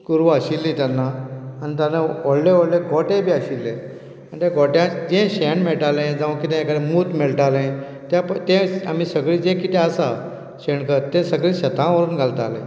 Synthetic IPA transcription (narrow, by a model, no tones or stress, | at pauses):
kuɾʋəɕilːĩt̪janːaanit̪janaoɽlẽoɽleɡʱɔʈẽbiːəɕilːẽ | anit̪jãɡoʈjãd͡zɛ̃ɕɛɳmeɭʈalẽd͡zaʋə̃kit̪ɛ̃jkəɽẽmuːt̪meɭʈ̪alẽ | t̪jãpət̪ẽam̤iːsəɡɭiːd͡zẽkit̪ɛ̃asa | ɕeɳkət̪ːẽsəɡɭĩːɕət̪ʰãʋəɾuːnɡʱalt̪alḛ̃